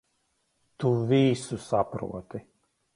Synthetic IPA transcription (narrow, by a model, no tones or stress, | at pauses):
t̪uviːsusapɾṵɔt̪ɪ